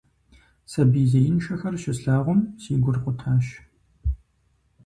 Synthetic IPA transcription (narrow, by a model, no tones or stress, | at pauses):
sɐbiːzɐjɪnʃɐxɐrʃɪsɬaːʁʷʊmsiːɡʷʊrqʷʊtʰaːʃ